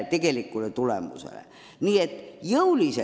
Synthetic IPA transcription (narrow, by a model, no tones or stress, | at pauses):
t̪ekelikːulet̪ulḛmṵsḛlæ̰ | niːet̪joulise